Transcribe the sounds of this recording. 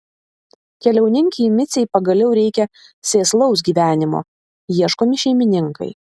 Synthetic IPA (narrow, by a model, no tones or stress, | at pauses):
kʲɛlʲɛʊnʲɪŋʲkʲɪmʲɪt̪sʲɛɪpɐɡɐlʲɛʊɾʲɛɪkʲɛ | sʲeːslˠɐʊsɡʲiːʋʲæːnʲɪmo̰ː | jiɛʃkoːmʲɪʃʲɛɪmʲɪnʲɪŋkɐ̰ɪ